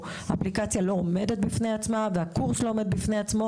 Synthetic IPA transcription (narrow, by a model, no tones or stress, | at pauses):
aaplikat͡sjalo̞ome̞det̪̚bifne̞at͡smaveakuʁslo̞ome̞d̚bifneat͡smo